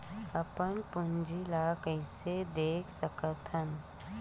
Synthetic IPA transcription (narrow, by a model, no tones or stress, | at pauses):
əpənpʊnd͡ʒilaːkəɪsed̪eːkʰsəkət̪ʰən